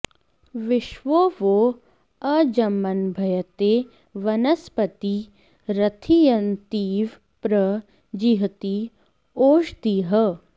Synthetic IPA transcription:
ʋɪʃʋoːʋo | ɐd͡ʒɐmːɐnbʱɐjɐt̪eː | ʋɐnɐspɐt̪i | ɾɐt̪ʰijɐnt̪iːʋ | pɾɐ | d͡ʒiɦt̪i | oːʃd̪iːɦɐ

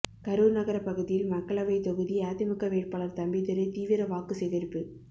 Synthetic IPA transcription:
kɐɾuːɾnɐɣɐɾɐpːɐɣɯðɪjɪlmɐkːɐɭɐʋɐɪt̪ɔɣɯðiaːt̪ːɪmɪkːɐʋeːʈ̚paːɭɐɾt̪ɐmbɪt̪ɪɾɯt̪iːʋɪɾɐʋaːkɯsɛɣɐɾpːɯ

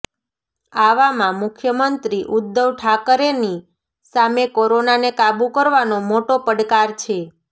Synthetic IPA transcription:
aʋamãmʊkʰjəmənt̪ɾiʔʊd̪ːəʋʈʰakəɾeni | samekoɾonanekabũkəɾʋanomoʈopəɖkaɾt͡ʃʰe

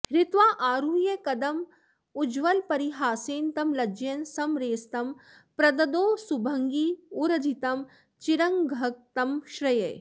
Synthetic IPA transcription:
ɦɾɪt̪ʋaːʔaːɾuːjɐkɐd̪ɐm | ud͡ʒʋɐlpɐɾiɦaːseːnt̪ɐmlɐd͡ʒjɐnsɐmɾeːst̪ɐm | pɾɐd̪ɐd̪oːsubʱɐŋɡiːuɾɐd͡ʒʱit̪ɐm | t͡ʃiɾɐŋɡʱɐk̚t̪ɐmʃɾɐjḛj

